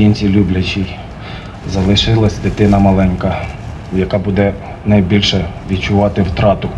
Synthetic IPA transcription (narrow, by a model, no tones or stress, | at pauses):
inʲt͡sʲilʲublʲɐt͡ʃʲij | zɐlˠɪʃɪlˠɐsʲd̪ɪt̪ɪnɐmɐlˠɛnkɐ | jɐkɑbud̪ɛ | nɐjbʲilʲʃɛʋʲidt͡ʃʊʋɑt̪ɪwt̪ɾɑt̪ʊ